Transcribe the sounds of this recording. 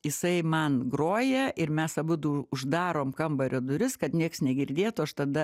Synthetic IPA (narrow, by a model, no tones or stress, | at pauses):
jɪsɐɪmɐnɡroːjɛɪɾmʲɛsɐbʊd̪uʊʒd̪ɑːɾoːmkɐmbɐɾʲoːd̪ʊɾʲɪskɐt̪nʲiɛksnʲɛɡʲɪrʲd̪ʲeːt̪ʊɐʃt̪ɐd̪ɐ